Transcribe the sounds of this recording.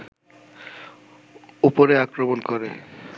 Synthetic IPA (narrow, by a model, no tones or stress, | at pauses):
upoɾeakɾomonkoɾḛ